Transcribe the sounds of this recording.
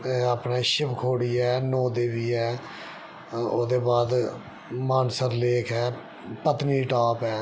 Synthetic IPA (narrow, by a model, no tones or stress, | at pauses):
eaːpnaːʃɪbkʰoːɽiːɛːnoːd̪eːʋiːɛː | o̰ːd̪eːbaːd̪ | maːnsəɾleːkʰɛː | pət̪niːʈaːpɛː